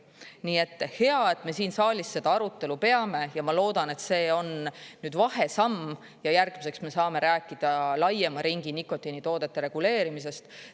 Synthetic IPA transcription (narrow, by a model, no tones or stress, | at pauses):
niːe̞t̪ˑːhe̞ɑe̞t̪ːme̞siːnsɑːlʲisːe̞d̪̥ɑɑɾut̪ːe̞lupe̞ɑme̞jɑmɑlo̞ːd̪̥ɑne̞t̪se̞ːo̞nnyːd̪vɑhe̞sɑmː | jɑjærɡ̥mise̞ksme̞sɑːme̞ɾæːkːˑid̪̥ɑlɑjemɑɾiŋɡiniko̞t̪ːinit̪o̞ːd̪̥e̞t̪ːe̞ɾe̞ɡ̥ule̞ːɾimis̬e̞st̪